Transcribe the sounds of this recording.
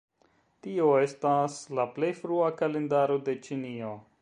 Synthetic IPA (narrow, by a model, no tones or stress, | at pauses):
tioestaslaple̞jfɾuakalendaɾode̞t͡ʃinio